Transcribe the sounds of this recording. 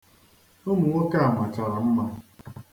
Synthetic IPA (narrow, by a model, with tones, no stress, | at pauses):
o˦mu˨ŋo˦ka˦a˨ma˨t͡ʃa˨ɾa˨m̩˦ma˦